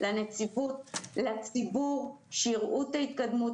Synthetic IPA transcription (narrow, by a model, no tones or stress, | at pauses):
lanet͡sivut̪̚lat͡sibuʁ | ʃiʁʔutait̪kad̪mu